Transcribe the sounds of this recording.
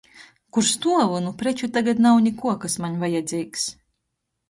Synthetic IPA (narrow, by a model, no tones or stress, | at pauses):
kuɾst̪uɔvunupɾɛt͡ʃut̪aɡat̪nawnʲɛkuɔkasmaɲʲvajad̪zʲiːks